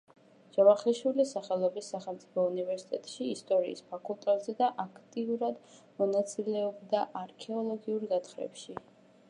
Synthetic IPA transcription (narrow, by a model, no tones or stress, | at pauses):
d͡ʒ̥avaχliʃwilisaχɛlˠɔbisːaχɛlˠmt̪sʼipʰɔunivɛɾsi̥t̪ʼɛt̪ʼʃiːst̪ʼɔɾḭːspʰakʰʼulˠt̪ʼɛt̪ʼz̥ɛd̪aʔakʰt̪ʼiuɾad̪ | mɔnat̪sʼilɛɔbd̪aʔaɾkʰɛɔlˠɔɡiuɾɡat̪χɾɛ̰pʃi